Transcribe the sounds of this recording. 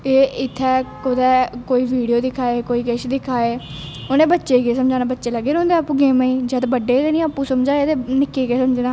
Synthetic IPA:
eːɪt̪ʰːɛːkʊd̪ɛːkoːiːʋiːɖijoːd̪ɪkʰaːeːkoːiːkeʃd̪ɪkʰaːeː | onẽːbətːʃeːɡeːsəmd͡ʒaːnãːbətːʃeːləɡːeːõːnd̪eapũːɡeːmãːĩːd͡ʒəd̪bəɖːeːt̪eːnĩːapːũːsəmd͡ʒaːeːt̪eːnɪkːeːɡeːsəmd͡ʒnaː

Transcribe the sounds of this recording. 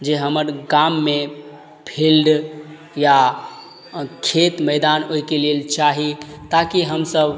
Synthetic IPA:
d͡ʒeɦəməɾɡamːe | pʰilɖ | ja | kʰet̪məɪd̪anɦojkelilt͡ʃaɦit̪akiɦəmsəb

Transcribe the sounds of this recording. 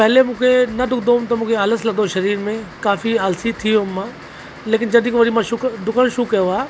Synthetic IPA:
pɛɦlemʊ̃ːkʰenɐd̪ʊkʰd̪oːt̪ɐmũːkʰeaːləslɐd̪oʃɐɾiːɾmẽkaːfiaːlsit̪ʰiõmːãː | leːk̬ɪnd͡ʒɐd̪ikoʋɐɾimãʃʊkd̪ʊkəɽʃʊkɐjoaː

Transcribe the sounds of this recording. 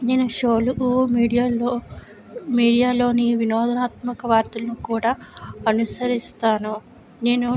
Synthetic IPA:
neːnuʃoːluʔumiːɽijalo | miːɽijaːlo̞ːniʋinɔːd̪ʱɐnaːt̪mɐkɐʋaːɾt̪ɐlɐnukuːɽaːɐnusɐɾist̪aːnu | ne̞ːnu

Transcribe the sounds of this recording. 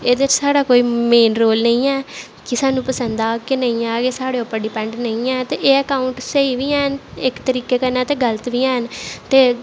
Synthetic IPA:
eːd̪et͡ʃsaːɽaːkoːiːmeːnɾoːlnəĩːɛː | kɪsaːnũːpəsənd̪aːkenəĩːaːɡeːsaːɽeːopːəɖiːpɛɳɖnəĩːɛːt̪eːʔeːəkaːʊɳʈsəiːʋiːɛːnɪkt̪əɾiːkeːkəɾnaːt̪eːɡələt̪ʋiːɛːnt̪eː

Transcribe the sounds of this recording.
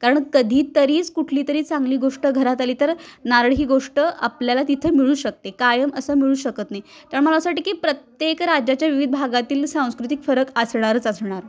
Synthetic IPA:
kaɾəɳkəd̪ʱiːt̪əɾiːt͡skuʈʰliːt̪əɾiːt͡saŋɡliːɡoʂʈəɡʱəɾat̪aliːt̪əɾnaɾɳɦiːɡoʂʈəʔapljalat̪it̪ʰəːmiɭuːɕək̚t̪ekajəməsəːmiɭuːɕəkət̪najt̪aɾəɳməlasaʈiːkiːpɾət̪jekɾad͡ʑat͡ɕjaʋiʋid̪̚bʱaɡat̪iːlsãw̃skɾut̪ikfəɾəkəsɳ̃aɾət͡səsɳaɾ

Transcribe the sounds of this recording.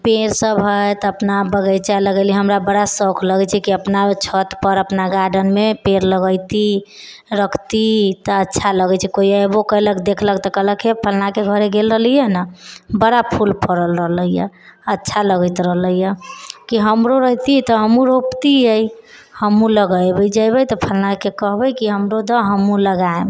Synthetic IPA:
peɾsəbɦəjt̪əpnabəɡəjt͡ʃaləɡəliɦəmɾabəɽasəkʰləɡɛt͡ʃʰɛkiəpnat͡ʃʰət̪pəɾəpnaɡaɖənmepeɾləɡəjt̪i | ɾəkʰt̪it̪əətːʃʰaləɡət͡ʃʰikoiəebokələkd̪ekʰləkt̪ɔkələkepʰəlnakeɡʱəɾeɡelɾəɦlijənəbəɽapʰulpəɾəlɾəɦləijə̰ətːʃʰaləɡət̪ɾəɦləjəkiɦəmɾoɾəɦt̪it̪əɦəmũɾopt̪iəj | həmũləɡəjbəjd͡ʒajbəjt̪ɔpʰəlnakekəɦbəjkiɦəmɾod̪əɦəmũləɡaem

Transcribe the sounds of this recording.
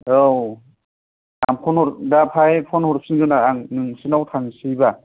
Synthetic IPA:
ow | amkʰɔnɔɾdapʰajpʰɔnhɔɾp̚ʰsinɡɯnaaŋnɯŋsɯnawtʰaŋsijba

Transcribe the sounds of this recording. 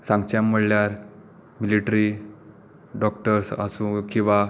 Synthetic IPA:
sãŋɡt͡ɕjamːəɽljaɾ | miliʈɾi | ɖɔk̚ʈəɾsa̰sũkĩw̃ʋa

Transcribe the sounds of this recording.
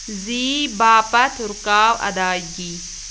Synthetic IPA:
ziːbaːpɐt̪uɾkaːwʔɐ̰d̪aːɡi

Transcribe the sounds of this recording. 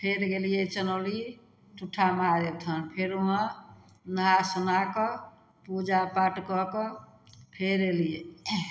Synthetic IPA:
pʰeɾɡelijet͡ʃənɔli | t̪uʈʰamaɾet̪ʰənpʰeɾuɦə̃ | nəɦasənakɔ | pud͡ʒapaʈkɔkɔ | pʰeɾelije

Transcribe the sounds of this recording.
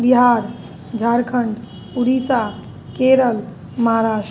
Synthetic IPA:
biɦaɾ | d͡ʒʱaɾkʰəɳɖ | uɽisa | keɾəl | maɦɾas

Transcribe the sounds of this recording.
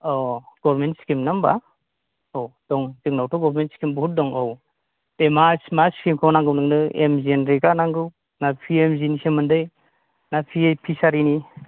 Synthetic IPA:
ɔɡ̥ɔbɾmentsi̥kimnamba | owd̥ɔŋzɯŋnawtɔɡɔɾɾmentsi̥kimbuut̚dɔŋɔw | d̥emasmaskimkʰɔnaŋɡɯwnɯŋnɯḛmzienɾiɡanaŋɡɯw | napʰiemzinisemɯndɯj | napʰiepʰisaɾini

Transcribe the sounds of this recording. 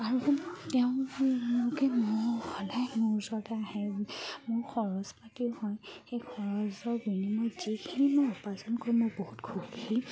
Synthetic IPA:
aɹutɛʊ̃mʊkɛmoɹhɔdajmuɹzɔdaːhɛmʊɹkʰɔɹɔzpatiʊhɔjxejkʰɔɹɔzɔbinimɔz̥ikʰinimɔupazɔnkoɹimoɹbohutkʰukʰi

